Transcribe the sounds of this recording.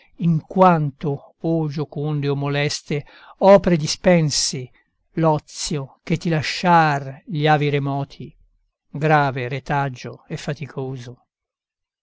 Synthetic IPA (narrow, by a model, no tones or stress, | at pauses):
iŋkwant̪o | od͡ʒokund̪eomːolɛst̪e | ɔːpɾed̪ispɛnsi | lɔt̪sːjok̟et̪ːilaʃːarʎiaːviɾemɔːt̪ʰi | ɡɾaːveɾet̪ad͡ʒːoefːat̪ikʰoːzo